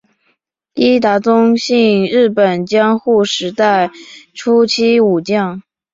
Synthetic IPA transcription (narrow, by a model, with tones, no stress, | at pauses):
i˥t̪a˧˥t͡sʊ˥ŋɕi˥˧ŋɻɻ̩˥˩pə˨˩nt͡ɕjɑ˥ŋxu˥˩ʂɻ̩˧˥t̪a˥˩ɪʈ͡ʂʰu˥t͡ɕʰi˥u˨˩t͡ɕjɑ˥˩ŋ